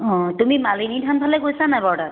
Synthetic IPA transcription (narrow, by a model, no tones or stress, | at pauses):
ɔ̃tumimalinitʰanpʰalɛkojsanajbɔɹdaɹ